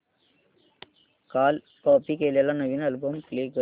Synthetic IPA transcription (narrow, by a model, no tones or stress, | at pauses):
kaːl | koːpikeljɐlɐnɐʋinɐlbumkliːkɯ